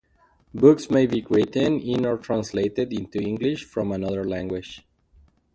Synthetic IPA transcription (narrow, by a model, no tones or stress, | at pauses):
bʊksmeɪbiɡɹitɨ̃nɪ̃nɔɹtʰɹãnsleɪtɪdɪ̃nt̪uɪ̃ŋɡlɪʃfɹɔ̃manʌðə˞læ̃ŋɡwɪd͡ʒ